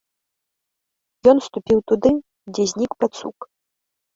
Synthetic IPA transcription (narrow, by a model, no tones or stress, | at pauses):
jɔnst̪upʲiwt̪ud̪ɨ | d͡zʲɛzʲnʲikpat̪sṵk